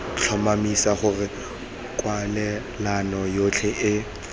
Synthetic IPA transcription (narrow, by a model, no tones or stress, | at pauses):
t͡ɬʰɔmamisaχʊrɪ | kʼwalɛ | lanɔjot͡ɬʰɛʔɪ